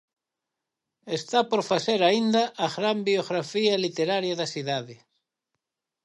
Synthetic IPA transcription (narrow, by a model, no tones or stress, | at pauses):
est̪apoɾfaseɾaind̪aʔaɣɾambioɣɾafialit̪eɾaɾjaðɐsiðaðe